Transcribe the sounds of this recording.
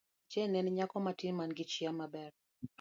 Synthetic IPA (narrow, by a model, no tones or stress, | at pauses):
t͡ʃɛnɛnɲakɔmatimanɡit͡ʃiamabɛɾ